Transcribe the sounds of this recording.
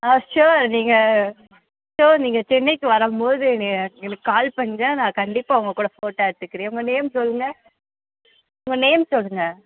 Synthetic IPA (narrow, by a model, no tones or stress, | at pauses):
aʃoːɾniːŋɡɐ | ʃoːɾniːŋɡɐt͡ʃɪnːɐɪkːɯʋɐɾɐmpoːðɯɛnɐɛnɐkːɯkaːlpɐɳːɡɐnãːkɐɳɖɪpːaːʊŋɡɐkːuːɽɐfoːʈːaːɽɯt̪ːɯkːɪɾẽːʊŋɡɐneːmsɔlːɯŋɡɐ | ʊŋɡɐneːmsɔlːɯŋɡɐ